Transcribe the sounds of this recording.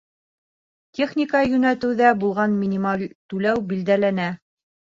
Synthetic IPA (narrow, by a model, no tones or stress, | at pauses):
tʲeχnʲɪkajɵ̆næt̪ɘ̆wðæbulˠʁɑnmʲinʲimɑlʲt̪ʉlæwbild̪ælænæ